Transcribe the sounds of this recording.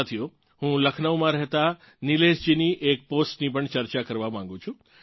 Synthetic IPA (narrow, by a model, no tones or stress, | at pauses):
t̪ʰijo | ɦũləkʰnəʋmãɾɛɦt̪a | nileʃd͡ʒiniʔek̚posʈnipəɳt͡ʃəɾt͡ʃakəɾʋamãŋ̆ɡũt͡ʃʰũ